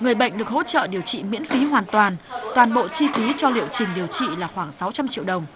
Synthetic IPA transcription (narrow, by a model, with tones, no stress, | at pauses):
ŋɨ˨˩əjɓə̰˧˨jŋ̟ɗɨ˨˩ək̚ho̰˧˥t͡ɕə̰ː˧˨ɗi˨˩əwt͡ɕḭ˧˨mḭ˧˥ənfi˨˦ɦwaː˨˩nt̪waː˨˩nt̪waː˨˩nɓo̰˧˨t͡ɕi˧fi˨˦t͡ɕɔ˧lḭ˧˨əwt͡ɕï˨˩ŋ̟ɗi˨˩əwt͡ɕḭ˧˨laː˨˩xwaː˧˩ŋsa˨˦wt͡ɕa˧mt͡ɕḭ˧˨wɗə˨˩wŋ͡m